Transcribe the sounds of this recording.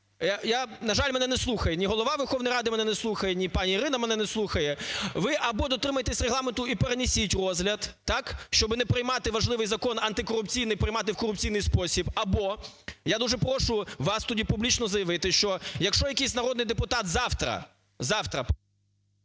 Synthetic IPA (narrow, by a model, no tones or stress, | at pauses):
jajanɐʒɑlʲmɛnɛnɛslˠuxɐjenʲiɦɔlˠɔʋɑʋɛrxɔʋnɔjɾɑd̪ɪmɛnɛnɛslˠuxɐjɛnʲipɑnʲiːɾɪnɐmɛnɛnɛslˠuxɐjɛʋɪʔɐbɔd̪ɔt̪ɾɪmɐjet̪esʲreɦlˠɑment̪ʊipeɾenʲɪsʲitʲrɔzɦlʲɐd̪t̪ɑkʃt͡ʃɔbɪnɛpɾɪjmɑt̪ɪʋɐʒlˠɪʋɪjzɐkɔnɐnt̪ɪkɔɾʊpt͡sʲijnɪjpɾɪjmɑt̪̬ɪwkɔɾʊp̚t͡sʲijnɨjspɔsʲibɐbɔjad̪uʒɛpɾɔʃʊʋɑst̪ɔdʲipublʲit͡ʃnɔzɐjɐʋɪt̪ɪʃt͡ʃɔjɐkʃɔjɐkijsʲnɐɾɔd̪nɪjd̪epʊt̪ɑt̪zɑwt̪ɾɐ̰ | zɑwt̪ɾɐ